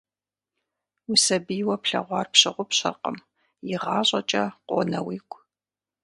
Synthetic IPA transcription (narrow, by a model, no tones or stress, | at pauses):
usɐbijwɐpɬɐ̰ʁʷɑːrpɕɪʁʷʊpɕɐ̰rqə̰m | jɪʁɑːɕʼɐt͡ʃʼɐqʷo̰nɐwiːkʷʰʼ